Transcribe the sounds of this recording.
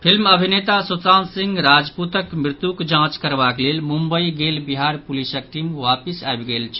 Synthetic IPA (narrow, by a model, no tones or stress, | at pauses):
pʰilməbʱinet̪asot̪ansĩŋɡɾad͡ʒput̪əkmɾɪt̪jukd͡ʒãt͡ʃkəɾbaklelmumbəiɡelbiɦaɾpulisək̚ʈimʋapisaebɡelt͡ʃʰ